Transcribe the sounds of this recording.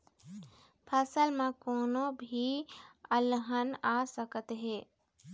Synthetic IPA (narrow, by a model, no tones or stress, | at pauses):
pʰəsəlmãkoːnõbʱiəlɦənaːsəkət̪ɦeː